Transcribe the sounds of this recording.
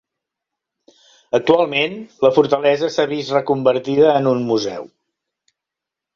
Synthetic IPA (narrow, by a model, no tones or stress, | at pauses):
ək̚t̪ualˠmenləfuɾt̪əlɛzəsaβist̪rəkumbəɾt̪iðəːnunmuzɛ̰w